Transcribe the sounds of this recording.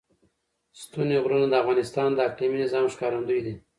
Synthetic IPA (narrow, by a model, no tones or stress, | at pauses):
st̪uneɣɾunad̪əafɣɑnɪst̪ɑːnd̪əaqliminɪzɑːmʃkɑɾand̪ujd̪i